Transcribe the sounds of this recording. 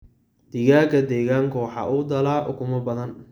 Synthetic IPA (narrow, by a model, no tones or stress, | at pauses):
d̪̥ɪɣaːkʰɐd̪ɛːɣaːŋkʰʊwɑħɑ̰ːʔʊːd̪ɐlaːʔʊ̰kʰʊmɐbɐðɐn